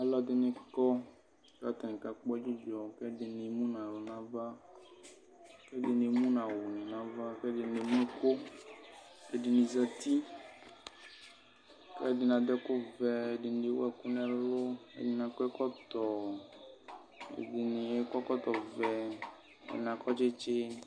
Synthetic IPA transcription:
a˨lɔ˦˨d̪ɪ˦nɪ̃˨kɔ˦ | d͡ʒa˦t̪ɔ˨nĩ˨ka˨k͡pɔ˦ɛ˦d͡ʒi˦d͡ʒɔ˨kɛ˦dɪ˨nɪ˨mũ˦nã˨lʊ˨nã˨˦va˦ | kɛ˦dɪ˨˦e˨mũ˦nã˨wu˨nĩ˨nã˦va˦kɛ˦dɪ˨ne˨mũ˦ko˦ | ɛ˦dɪ˨nĩ˨za˦t̪i˦ | kɛ˦dɪ˨nã˨d̪ɛ˦ko˦vɛ˨e˨di˨n˨˦de˨˦wɛ˦ku˦nɛ̃˦lo˦ḛ˦dɪ˦nã˨kɔ˦ɛ˦kɔ˦t̪ɔ˨ | ḛ˨dɪ˨nẽ˨e˦kɔ˦kɔ˦t̪ɔ˨vɛ˨ | ḛ˨nã˨kɔ˦t͡ʃe˦t͡ʃe˦

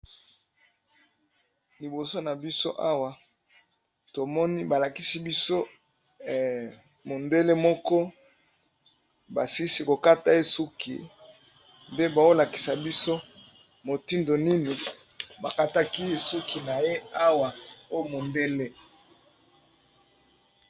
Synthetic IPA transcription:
li˨bo˨so˦na˨bi˦so˦ʔa˦wa˨ | to˨mɔ˦ni˦ba˨la˨ki˦si˦bi˦so˦˨ | mo˨nde˦le˦mɔ˦kɔ˦ | ba̰˨si˦si˦ko˨ka˦ta˨e˦su˦kḭ˨ | nde˦ba˨o˦la˨ki̥˨sa˨bi˦so˦ | mo˨ti˦ndo˨ni˦ni˨ | ba˨ka˦ta˦ki˦e˨su˦kʰi˨na˨je˦a˦wa˨o˦mo˨nde˦le˦

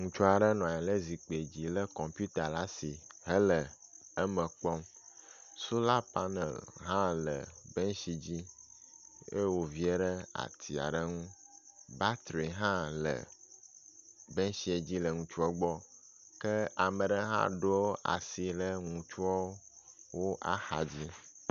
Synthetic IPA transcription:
ŋũ˨t͡ʃu˦a˨ɖə˦nɔ̃˨a˨ɛ˨le˦zi˨k͡pe˨d͡ʑi˨lə˦kɔ̃˨mpju˦t̪a˨la˦si˨ɦə˦lə˨ə˦mə˨k͡pɔ˦m | su˦la˦pa˦nḛ˨lɦã˦lə̰˨bɛ˦ŋʃi˨d͡ʑi˦ | ḛ˦wo˨vi˦e˦ɖə˦a̰˨t̪ʰi˨a̰˨ɖə˦ŋũ˦ba˦t̪ɾi˨ɦã˦lə̰˨ | bɛ˦ŋʃi˨e˨d͡ʑi˦lə˨ŋũ˨t͡ʃu˦ɔ˦ɡ͡bɔ˦ | kə˦a˨mə̃˨ɖə˦ɦã̰˦ɖo˦o˦ʔa̰˨si˨lə˦ŋũ˨t͡ʃu˦o˦ | wo˦ʔa̰˦xa˨d͡ʑi˦

